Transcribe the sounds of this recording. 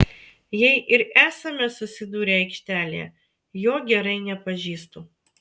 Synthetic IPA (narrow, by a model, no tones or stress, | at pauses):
jɛɪʔɪɾæːsɐmʲɛsʊsʲɪd̪uːɾʲeːɐɪkʃʲt̪ʲæːlʲḛː | joːɡʲɛɾɐɪnʲɛpɐʒʲiːst̪uː